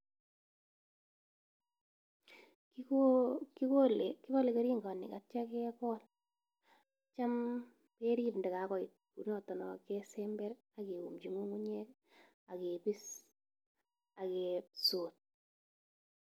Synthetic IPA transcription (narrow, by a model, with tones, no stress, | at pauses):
koki˦ko˦le˨kɪ˦βɔ˦le˨ke˦ɾi˦ŋɡa˨nɪ̰˨ka˨t͡ʃa˦kɛ˦kɔ˦l | t͡ʃa˦m | pe˦ɾi˦pndɛ˨ka˨kɔ˨i˨t̚ku˨ɾɲɔ˨tɔ˨nɔ˨kɛ˦sɛ˦mbɛ˦ɾ | a˨ke˨u˨md͡ʒi˨ŋu˦ŋu˦ɲɛ˦k | a˨ke˨pi˦s | a˨kesoː˨t̚